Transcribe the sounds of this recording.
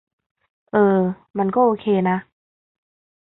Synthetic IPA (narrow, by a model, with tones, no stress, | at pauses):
ʔɤː˧ | ma˧nkɔː˥˩ʔoː˧˩kʰeː˧na˦˥ʔ